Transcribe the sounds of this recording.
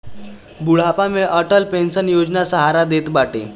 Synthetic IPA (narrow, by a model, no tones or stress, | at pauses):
buɭapameʔəʈəlpensənjod͡ʑnasəɦaɾad̪et̪baʈḛ